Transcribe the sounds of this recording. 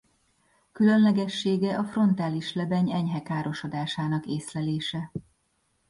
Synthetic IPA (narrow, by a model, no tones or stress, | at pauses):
kylø̞nlɛɡɛʃːeːɡɛʔɒfro̞nt̪aːliʃlɛbɛɲɛɲɦɛkaːɾo̞ʃod̪aːʃaːnɒkeːslɛleːʃɛ